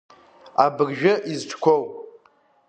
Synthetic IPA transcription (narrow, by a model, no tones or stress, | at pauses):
abɨrʒᶣɪʔizʈ͡ʂʰkʷʰowʼ